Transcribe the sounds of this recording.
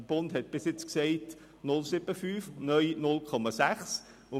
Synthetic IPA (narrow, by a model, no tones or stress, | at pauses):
əb̥ʊndhɛt̚b̥ɪsjɪt͡sksɛɪt | nʊlsɪbəfyːfnœjnʊlkʰɔmɑsæχs | ʊ